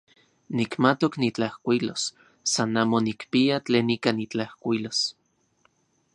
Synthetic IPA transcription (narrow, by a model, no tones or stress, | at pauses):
nikmat̪oknit͡ɬahkʷilosː | anaːmonikpiat͡ɬeːnikanit͡ɬahkʷilos